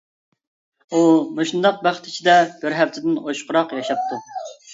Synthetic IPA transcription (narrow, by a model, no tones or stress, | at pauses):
umoʃund̪ɑq̚bæχt̪i̥t͡ʃʰid̪ɛbɪɾɦæft̪ʰɪd̪ɪnoʃqʊɾɑqjɑʃɑp̚t̪ʰu